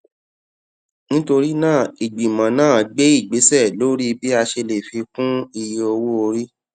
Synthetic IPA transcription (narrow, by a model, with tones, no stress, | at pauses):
nĩ˦to˧ɾi˦nãː˦˨i˨ɡ͡bi˨mã˨˦nãː˦˨˦ɡ͡be˦i˦˨ɡ͡be˨˦sɛ˦˨lo˦ɾi˦bi˦a˧ʃe˧le˨fi˧kũ˦i˧˨je˧o˧wo˦o˧ɾi˦